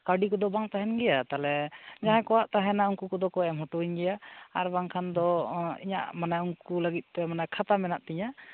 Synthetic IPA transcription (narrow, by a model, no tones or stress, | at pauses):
kaɖikɔd̪ɔbaŋt̪aɦɛnɡɛjat̪alɛd͡ʒaɦɛ̃kɔwaʔt̪aɦɛnauŋkukɔd̪ɔkɔɛmɦɔʈɔiɲɡɛjaːɾbaŋkʰand̪ɔḭɲa̰ʔmanajuŋkulaɡit̪̚t̪ɛmanajkʰat̪amɛnaʔt̪iɲa